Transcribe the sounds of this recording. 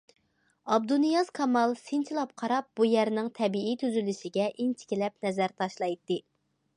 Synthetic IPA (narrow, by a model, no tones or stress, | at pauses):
ɑb̚d̪unijɑz̥kʰɑmɑlˠsent͡ʃʰilˠɑp̚qʰɑɾɑp̚bujæɾnɪŋt̪ʰɛbiit̪ʰyzylyʃɪɡʲɛʔint͡ʃʰɪ̥kʲilɛp̚nɛzæɾt̪ʰɑʃlˠɑjt̪ːɨ